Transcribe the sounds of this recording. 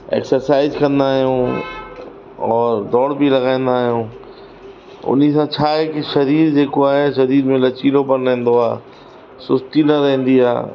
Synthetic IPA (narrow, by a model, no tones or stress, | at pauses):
ḛːksəɾsaːɪzkɐ̃nd̪aːɦijũː | ɔːɾd̪ɔːɽbʱilɐɡãːẽn̆d̪aːɦijũː | ʊ̰n̤isãt͡ɕʰaːɦekiʃɐɾiːɾd͡ʑeːkoaːɦeʃɐɾiːɾmẽlɐt͡ɕiːlopɐnɾɛ̃ɦːnd̪oa̰ː | sʊst̪inɐɾɛɦẽn̆d̪ia̰ː